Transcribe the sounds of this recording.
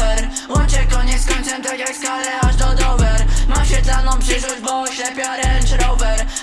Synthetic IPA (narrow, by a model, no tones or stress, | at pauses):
ɛɾwɔt͡ɕɛkɔɲɛt̪skɔɲ̃t̪sɛmt̪akʲjakskalɛaʐd̪ɔd̪ɔwvɛɾmaɕʲɛt̪lanɔ̃w̃pʂɘʂwɔd͡ʑbɔɕlɛpʲjaɾɛnt͡ʂɾɔwvɛɾ